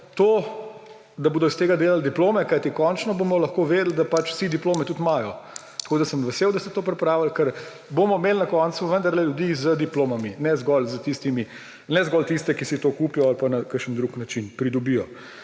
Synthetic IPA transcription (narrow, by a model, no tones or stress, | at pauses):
t̪oː | d̪aboːd̪ɔst̪eːɡad̪eːlald̪iploːmɛkajt̪ikɔnt͡ʃnɔbomɔlɐxkoʋeːd̪əl̩d̪apat͡ʃsid̪iploːmɛt̪ut̪majɔ | t̪ɐ̥ḁkoːd̪asəmʋɛseːwd̪ast̪ɛt̪oːpɾɛpɾaːwəlkəɾ | bomɔmelnakɔnt̪suʋənd̪ɐɾlɛljud̪izəd̪iploːmaminɛzɡɔlzət̪ist̪imi | nɛzɡɔlt̪ist̪ɛkisit̪okuːpijɔalpanakəʃənd̪ɾuknat͡ʃinpɾid̪ɔbijɔ